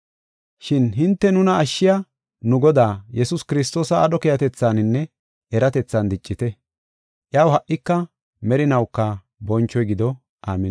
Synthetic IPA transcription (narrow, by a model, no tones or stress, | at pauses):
ʃɪnɦɪnt̪ːɛnʊnɐːʃːɪjɐ | nʊɡɔd̪aːjɛsʊskɪɾɪs̬t̪o̞ːsɐːɗɔkɛjɐt̪ɛt͡sːaːnɪnːɛ | ʔɛɾɐt̪ɛt͡sːɐnd̪ɪt͡ʃʼːɪt̪ɛ | ʔjaːwhɐʔːɪkːɐ | mɛɾɪnɐwkːɐ | bɔnt͡ʃːɔjɡɪd̪ɔ | ʔaːmɛ